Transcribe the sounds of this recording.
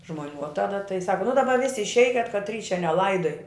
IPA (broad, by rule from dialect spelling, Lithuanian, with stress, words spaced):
ʒmoːˈnʲuː oː ˈtɑːdɐ tɐɪ ˈsɑːkɐ nʊ dɐˈbɐ ˈʋʲɪsʲɪ ɪʃʲˈɛɪkʲɛt kɐtʲˈrʲiː t͡ʃʲɛ nʲɛˈlˠɐɪdoːj